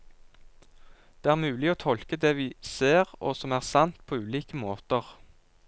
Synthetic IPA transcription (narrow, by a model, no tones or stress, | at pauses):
d̪̥eːæːʁmʉːlɪoːt̪ʰɔlkəd̪ɛʋiːseːʁo̰ːsɔmæːʁsɑnt̪pʰoːʉːliːkəmoːt̪əʁ